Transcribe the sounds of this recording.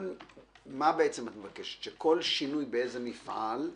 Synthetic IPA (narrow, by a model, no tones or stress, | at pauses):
mabeʔet͡semat̪mevakeʃe̥t̪ʃeko̞lʃinujbeezemifʔal